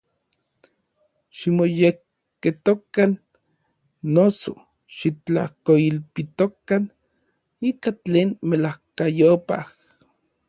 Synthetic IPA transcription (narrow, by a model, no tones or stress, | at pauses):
ʃimojekː | et̪okan | oso̰ | ʃit͡ɬa̰hkoilpit̪okan | ikat͡ɬeːnmelahkajopa̰h